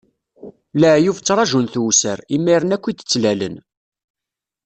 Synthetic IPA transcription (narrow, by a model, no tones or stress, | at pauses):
læʕjuft͡sːɾˤɑʒunθsəɾimːiɾənækʷːid̪ə̥t͡sːlælə̰n